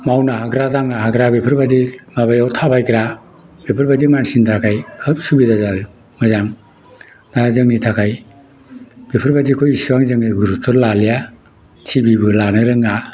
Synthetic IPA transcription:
mawnaɦaɡɾadaŋnaɦaɡɾabepʰɯɾbadimabajawtʰapʰajkɾa | bepʰɯɾbadimansintʰakʰajɯp̚subidazal | mɯzaŋ | nazɯŋnitʰakʰaj | b̥epʰɯɾbadikʰojisiwaŋzɯŋniɡuɾutʰɔɾlalija | tʰibibɯlanɯɾɯŋa

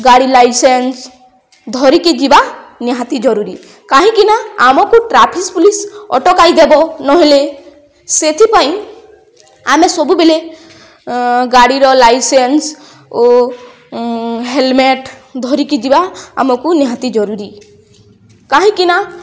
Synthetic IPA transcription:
ɡaɽilajsens | d̪ʱɔɾikid͡ʒibaniɦãt̪id͡ʒɔɾuɾi | kaɦĩkinaːmɔkuʈɾapʰispulisɔ̰ʈɔkajd̪ebɔnɔɦile | set̪ʰipaj̃ | amesɔbubele | ɡaɽiɾɔlajsens | o | ɦelmeʈd̪ʱɔɾikid͡ʒibaa̰mɔkuniɦãt̪id͡ʒɔɾuɾi | kaɦĩkina

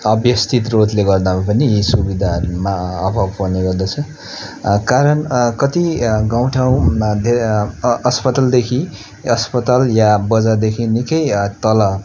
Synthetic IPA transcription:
ʌbjʌst̪it̪rod̪leɡʌrd̪amapʌniisubid̪ʱaʌɾumaʌbʱʌbpʌneɡʌrd̪at͡sʰʌ | kaɾʌnkʌt̪iɡaw̃ʈʰaw̃d̪ʱe | ʌspʌt̪ald̪ekʰi | ʌspʌt̪aljabʌd͡zad̪ekʰinikʌjt̪ʌlʌ

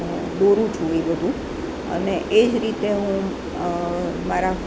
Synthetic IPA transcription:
d̪oɾũt͡ʃʰũeɡəd̪ũ | ə̰neʔed͡ʒɾit̪eɦũ | maɾa

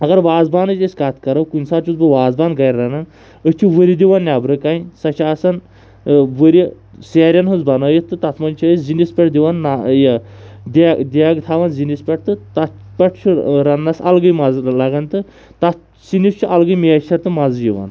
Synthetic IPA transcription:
ɐɡɐɾʋaːzbaːnɨt͡ʃʲisʲkat̪kɐɾɐwkunʲsaːt͡ʃʰuzbɨʋaːzbaːnɡɐjɾːɐnɐn | ət͡ʃʰuʋəɾid̪ʲiʋannʲabɾɨkaisɐt͡ʃʰaːsɐn | ʋəɾi | seːɾʲɐnɦuzbɐnɐːjit̪ːɨt̪ɐt̪ʰmɐnʲt͡ʃʰizinispʲɛʈd̪iʋanːajɐd̪ʲd̪ʲaɡt̪ʰaːʋanzinʲispʲɐʈ̚t̪ɨt̪ɐt̪ | pʲɐʈʰt͡ʃʰuɾɐnːɐsɐ̰lɡɨjmɐzlɐɡɐnt̪ɨ | t̪ɐt̪ | sinist͡ʃʰiʔɐlɡɨjmeːt͡ʃʰɐɾt̪ɨmɐzjiʋa̰n

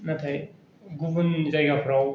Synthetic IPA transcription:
nɐtʰaj | ɡubɯnzajɡapʰɾaw

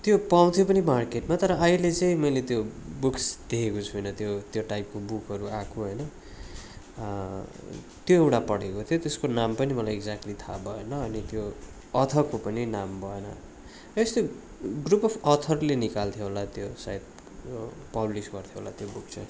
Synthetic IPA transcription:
t̪jopaw̃t̪ʰjopʌnimarkeʈmat̪ʌɾʌːilet͡sʌĩmʌjlet̪jobuksd̪̥ekʰekot͡sʰujnʌt̪jot̪joʈajp̚kobukɦʌɾuakʰoɦʌjnʌ | t̪joewʈapʌɽekot̪ʰijot̪eskonampʌnimʌlajeɡd͡zak̚ʈlit̪ʰa̰bʱʌenʌːnit̪jo | ʌt̪ʰʌkopʌninambʱʌenʌ̰ | est̪jo | ɡrupʌfʌt̪ʰʌrlenikalt̪ʰijoɦolat̪josa̰jt̪̚ | pʌblisɡʌrt̪ʰjoɦo̰la̰t̪jobuk̚t͡sʌj

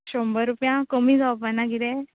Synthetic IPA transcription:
ɕombəɾupjãkomid͡zapənaɡid̪ẽ

